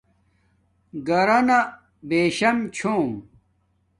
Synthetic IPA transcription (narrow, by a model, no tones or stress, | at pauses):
ɡɐɾɐnɐ | beːɕɐmt͡ɕʰoːm